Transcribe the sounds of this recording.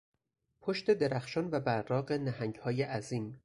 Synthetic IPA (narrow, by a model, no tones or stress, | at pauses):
pʰoʃt̪e̞d̪e̞ɾæxʃɒːnvæbæɾɾɒːɢe̞næhæŋɟhɒːjeʔæziːm